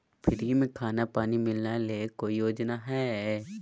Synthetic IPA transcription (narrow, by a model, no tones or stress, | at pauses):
pʰɪɾɦimẽkʰaːnapaːnimɪlnalekoːijoːd͡ʒnaɦɛː